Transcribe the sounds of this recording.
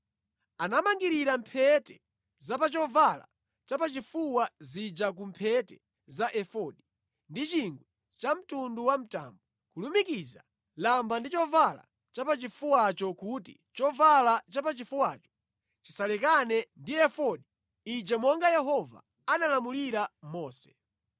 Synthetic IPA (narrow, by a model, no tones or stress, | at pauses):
anamaŋɡiɾiɾampʰɛtɛ̥ | zapat͡ʃɔvala̰ | t͡ʃapat͡ʃifuwazid͡ʒak̬um̩pʰɛtɛ̥ | zaʔɛfɔɗi | ndit͡ʃiŋɡwɛ | t͡ʃam̩tunduwam̩ta̰ːmbɔ | kulumikiza | lambandit͡ʃɔvala̰ | t͡ʃapat͡ʃifuwat͡ʃɔkutḭ | t͡ʃɔvalat͡ʃapat͡ʃifuwaːt͡ʃɔ̥ | t͡ʃi̥salɛkanɛndiɛfɔɗi | id͡ʒɛmɔŋɡajɛɦɔva̰ | analamuliɾamɔːsɛ̥